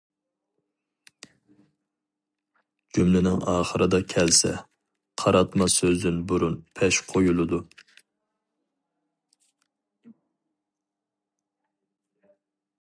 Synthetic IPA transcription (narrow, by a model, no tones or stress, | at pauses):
d͡ʒ̥ymlɪnɪŋɑːχəɾɨd̪ɑkʲʰɛlsɛ̰ | qʰɑɾɑt̪mɑsøzynbuɾunpʰɛʃqʰojulˠɨd̪u